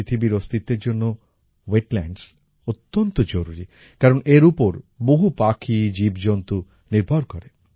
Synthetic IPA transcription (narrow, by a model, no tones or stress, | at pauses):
it̪ʰibiɾost̪ʰit̪ːeɾd͡ʑonːo | weʈlɛɳɖs | ot̪ːont̪od͡ʑoɾuɾi | kaɾoneɾupoɾboɦupakʰid͡ʑibd͡ʑont̪u | niɾbʱaɾkoɾe